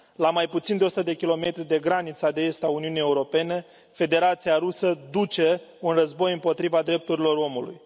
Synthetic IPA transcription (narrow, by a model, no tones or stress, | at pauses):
lamajput̪sind̪eosut̪əd̪e̞kʲilo̞me̞t̪ɾid̪e̞ɡɾanit̪sad̪eest̪auniunijeuɾo̞pe̞ne̞ | fe̞d̪e̞ɾat̪sijaɾusəd̪ut͡ʃe̞unrəzbo̞jɨmpo̞t̪ɾivad̪ɾe̞p̚t̪uɾilo̞ro̞mulṵj